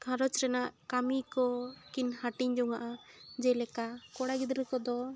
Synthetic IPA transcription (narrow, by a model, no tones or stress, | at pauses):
kʰaɾɔt͡ʃɾɛnaʔkamikɔkinhaʈiɲd͡ʒɔŋaʔa | d͡ʒɛlɛkakɔɽaɡid̪ɾɛkɔd̪ɔ